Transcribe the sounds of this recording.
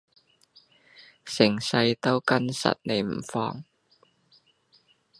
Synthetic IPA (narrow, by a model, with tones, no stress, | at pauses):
sɪ˨˩ŋsɐ˧jt̪o˥wkɐ˥nsɐ̰˨t̚ne˨˩jm̩˨˩fɔ̰ː˧ŋ